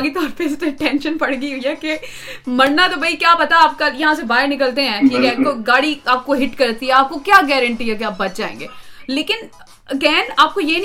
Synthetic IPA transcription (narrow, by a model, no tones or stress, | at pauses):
ɡit̪ɔːɾpeɪst̪eʈɛ̃nʃənpɐɽɡiɦʊiɦɛke | mɐɾnat̪obʱɐikjaːpɐt̪aaːp̚kajɐɦãs̬ebaːɪnɪk̬əlt̪eɦɛ̃ʈʰiːkekoɡaːɽiaːp̚koɦɪʈkɐɾt̪iɦɛaːp̚kokjaːɡɛːɾə̃ɳʈiɦɛkeaːp̚bɐt̪d͡ʒa̰ːḛ̃ːŋɡeːleːkɪn | ɐɡɛːnaːp̚kojein